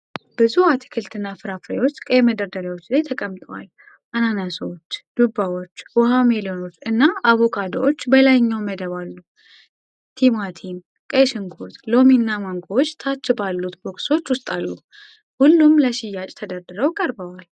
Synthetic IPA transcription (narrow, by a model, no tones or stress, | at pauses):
bɨzuat̪ʰi̥kʰɨlt̪ʰɨnːafɨɾafɾewo̞t͡ʃːkʼeməd̪əɾd̪əɾawot͡ʃːlajt̪ʰəkʼəmt̪ʼəwa̰l | ʔananasot͡ʃːd̪̥ubawo̞t͡ʃːwɔɦamelio̞no̞t͡ʃːɨnːaʔaβo̞kʰad̪oot͡ʃːbəlajɲːawməd̪əβalːu | t̪ʰimat̪ʰin | kʼeʃɨŋɡʰot̪lo̞minːamaŋɡʰʼot͡ʃːt̪ʰat͡ʃːɨbalːut̪bo̞kso̞t͡ʃːwʊst̪ʼalːu | hulːumləʃɪjːat͡ʃʼt̪ʰəd̪əɾd̪ɨɾəwkʼəɾbəwal